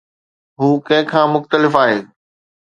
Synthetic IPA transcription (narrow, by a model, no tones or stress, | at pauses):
ɦuːkɐ̃ɦɪ̃kʰãːmʊxt̪əlɪfaːɦeː